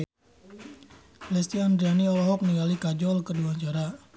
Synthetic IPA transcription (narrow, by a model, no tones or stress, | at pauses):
lɛst̪iand̪ɾianiɔlɔɦɔk̚niŋɡalikad͡ʒɔlkərduaɲt͡ʃaɾa